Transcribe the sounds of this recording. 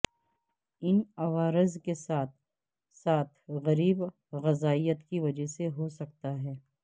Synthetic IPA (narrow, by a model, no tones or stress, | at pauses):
ɪnɐʋaːɾɪzkesaːt̪̚ʰ | saːt̪ʰɣɐɾiːb | ɣɐzaːijət̪kiʋɐd͡ʒəɦseɦosɐk̚t̪aɦɛː